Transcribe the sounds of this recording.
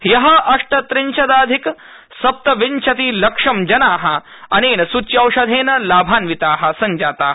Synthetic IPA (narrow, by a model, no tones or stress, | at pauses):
jɐɦɐʔɐʂʈɐt̪ɾiɲt͡ʃʰɐd̪aːd̪ʱik | sɐp̚t̪ɐʋiɲt͡ʃʰɐt̪iːlɐkʂɐmd͡ʒɐnaːɦɐ | ɐneːnɐsut͡ʃjɐwʃɐd̪ʱeːnɐlaːbʱaːnʋit̪aːɦɐ̆sɐɲd͡ʒaːt̪aːɦɐ